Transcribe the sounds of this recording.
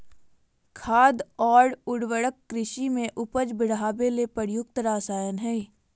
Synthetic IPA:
kʰaːd̪ɔːɽʊɽwəɽəkːɾɪʃimẽʔʊpəd͡ʒbɪɽɦaːbelepəɾjʊk̚t̪ɾaːsaːjənɦɛː

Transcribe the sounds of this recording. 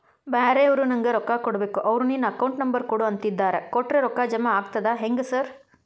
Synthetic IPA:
baːɾeɐʋɐɾunɐŋɡeɾɔkːakɔɽbeːkuʔɐʋɾuninɐɐkɐwɳʈnɐmbɐɾkuːɽɐɐnt̪id̪ːaːɾekɔʈːɾeɾɔkːad͡ʒɐmaaːɡ̚t̪ɐd̪aɦeŋɡesɐɾ

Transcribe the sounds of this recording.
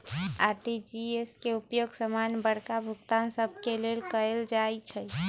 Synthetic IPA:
aʈid͡ʒieskeupjoɡsəmanbəɽkabʱuɡt̪ansəbʱkelelkəeld͡ʒajt͡ʃʰəj

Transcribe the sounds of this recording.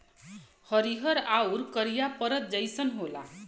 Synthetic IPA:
hʌɾiɦʌɾawɾkʌɾijapʌɾʌt̪̚d͡zʌjsʌnɦola̰

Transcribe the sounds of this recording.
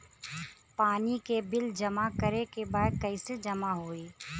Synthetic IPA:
paːnikebɪld͡ʒɐmakəɾekebaːd̪̚kəɪsed͡ʒɐmaɦoːiː

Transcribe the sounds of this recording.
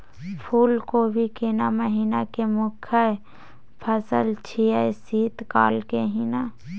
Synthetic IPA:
pʰuːlkobʱikenaməɦiːnakemʊkʰə | pʰəsə̰lt͡ʃʰiəsiːt̪kaːlkeɦina

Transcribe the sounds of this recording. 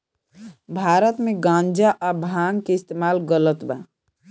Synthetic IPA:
bʱaɾət̪meɡãnd͡ʒaʔabʱaŋkeist̪emalɡələt̪ba

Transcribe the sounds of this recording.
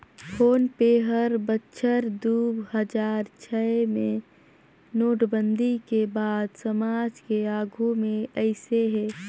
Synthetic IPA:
fʰoːnpeːɦəɾbətːʃʰəɾd̪uːbɦəd͡ʒaːɾt͡ʃʰɛmẽ | noːʈbə̃nd̪ʱikebaːd̪səmaːd͡ʒkeaːɡʱumẽəɪseɦɛː

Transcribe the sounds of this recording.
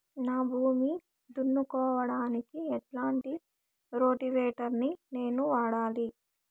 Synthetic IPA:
naːbʱuːmi | d̪unːukɔːʋɐɽaːnikiɛʈlaːɳʈi | ɾo̞ːʈiʋɛːʈɐɾnine̞ːnuʋaːɽaːli

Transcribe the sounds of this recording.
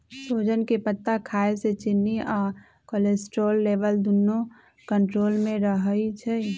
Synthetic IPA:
soːd͡ʒənkepət̪ːakʰaːeset͡ʃɪnːiʔɔːɾ | kolesʈɾoːlːeːʋəld̪unːo | kə̃ɳʈɾoːlmẽɾəɦəit͡ʃʰɛ

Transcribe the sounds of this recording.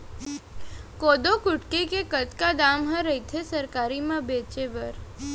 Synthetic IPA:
kod̪okʊʈkekekət̪kad̪amɦãɾəɦit̪ʰesəɾkaɾimãbet͡ʃeʋəɾ

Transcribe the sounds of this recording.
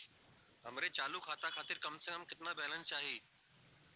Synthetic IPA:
ɦɐmɾet͡ɕaːlukʰaːt̪akʰaːt̪ɪɾkɐmsə̃kəmkɪt̪ɪnãbʱeːlənɪ̆t͡ɕaːɦiː

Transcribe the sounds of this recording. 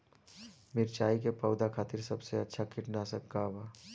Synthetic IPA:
mɪɾt͡ʃaːikepɐʊd̪akʰaːt̪ɪɾsɐbseɐtːʃʰakʰɪʈnasɐkkaːbaː

